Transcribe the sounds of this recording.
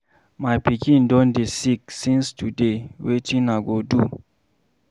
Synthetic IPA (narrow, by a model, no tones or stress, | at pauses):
majpikĩndɔ̃ndisiksĩnstudewetĩnaɡodu